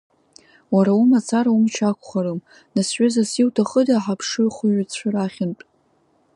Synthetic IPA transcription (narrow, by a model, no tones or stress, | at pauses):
waɾaumat͡sʰaɾaumt͡ʃʰakʷʰʼχaɾɨm | nasɥʷazasiwtʰaχədaħapʰʂɨrχaɥt͡sʷʰaraχʲɪntʼ